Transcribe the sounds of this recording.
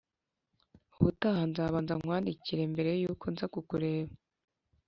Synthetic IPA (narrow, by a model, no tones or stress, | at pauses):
uβutahanzaːβaːnzaŋwaːndiciɾe̞mbe̞ɾe̞juːkonzakukuɾe̞ːβa